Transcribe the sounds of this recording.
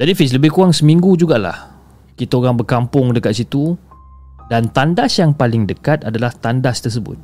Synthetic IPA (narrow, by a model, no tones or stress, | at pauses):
d͡ʒadifis̬ləbɪhkuaŋsəmĩŋɡud͡ʒuɡaʔla̰h | kit̪aoɾaŋbərkampʊŋdəkat̪̚sit̪u | dant̪andasjaŋpalɪŋdəkat̪adalaht̪andast̪əs̬əbʊ̰t̪̚